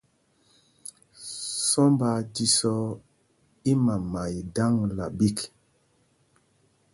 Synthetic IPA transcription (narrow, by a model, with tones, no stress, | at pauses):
sɔ˦mba˨˦ti˨sɔ˦ | i˦ma˨ma˨jda˦ŋla˨bi˦k